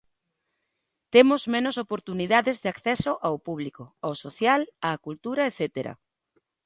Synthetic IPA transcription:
t̪emʊzmẽnosopoɾt̪uniðaðezðɪakθɛsoʔawpuβ̞likoawsoθjalaːkult̪uɾɐeθet̪eɾɐ̰

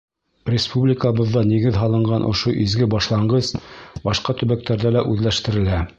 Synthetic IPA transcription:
rʲɪspublʲɪkəβɤ̆ðːɑniɡɘðɦɑlˠɤ̆ɴɢɑnʔŏ̰ʃoʔizɡɘbɑʃlˠɑɴɢɤzbɑʃqɑt̪ɵ̆βæk̚t̪æɾðælæʔʉðlæʃt̪ɘ̆ɾɘ̆læ

